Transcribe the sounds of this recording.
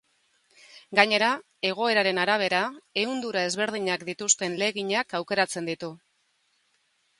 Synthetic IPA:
ɡaɲe̞ɾa | e̞ɣ̞o̞e̞ɾaɾe̞naɾaβ̞e̞ɾae̞und̪uɾae̞zβe̞ɾð̞iɲakd̪it̪ust̪e̞nle̞ɣiɲakawke̞ɾat͡se̞nd̪it̪u

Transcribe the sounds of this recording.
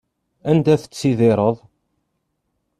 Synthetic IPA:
ænd̪æθə̥t͡sːiðɪɾˤəðˤ

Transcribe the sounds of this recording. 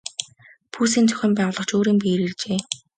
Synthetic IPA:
pʰuːsiːnt͡sʰɵ̥xʲɘ̆ːmpæːʁʊːɮɞ̆χt͡ɕoːɾiːmpiɾirt͡ɕeː

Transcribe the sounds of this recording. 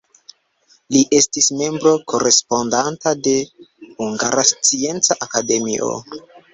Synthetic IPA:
liʔe̞stisme̞mbɾo̞ko̞ɾe̞spo̞ndantade̞huŋɡaɾast͡sie̞nt͡saʔakade̞miʔo̞̰

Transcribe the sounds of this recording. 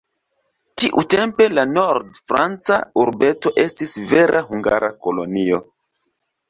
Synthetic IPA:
tiʔute̞mpe̞lano̞ɾdfɾant͡sauɾbe̞to̞ʔe̞stisve̞ɾʔaɦuŋɡaɾa̰ko̞lo̞nio̞

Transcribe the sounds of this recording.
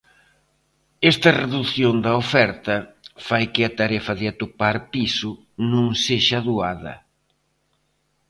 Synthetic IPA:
ɛst̪ɐreðuθjond̪ɐofɛɾt̪ɐfajkɪɐt̪aɾɛfɐðɪat̪opaɾpisʊ | nũŋseʃɐðuaðɐ̰

